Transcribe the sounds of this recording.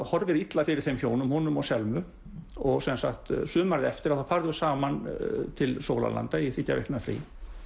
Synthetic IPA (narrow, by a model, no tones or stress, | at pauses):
hɔɾvɪɾit̪lafɪɾɪɾ̥θejmçoːwnʏmhɔnʏmɔɣsɛlmʏ | ɔɣsɛnsa̰xt̪sʏːmaɾðɛft̪ɪɾaθawfaɾðʏ̥saːmant̪ʰɪlsoːwla̰la̰nt̪aiθɪcːavɛ̰hknʏafɾḭ